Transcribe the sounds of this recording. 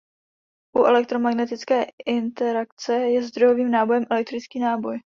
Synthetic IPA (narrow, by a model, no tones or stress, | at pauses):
ʔuʔɛlɛk̚t̪ɾo̞maɡnɛt̪ɪt͡skɛːɪnt̪ɛɾak̚t͡sɛjɛzd̪ɾo̞jo̞viːmnaːbo̞jɛmʔɛlɛk̚t̪ɾɪt͡skiːnaːbo̞j